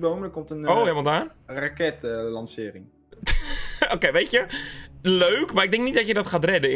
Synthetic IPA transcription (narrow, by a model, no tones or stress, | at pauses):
bowmələkɔmtənoːhelmalˠdaːn | rakɛtlɑnsɪːɾɪŋ | okejʋejtjə | løːkmaɪɡ̚dɛ̃ŋk̚nit̚dɔtjədɔtχaːtrɛdə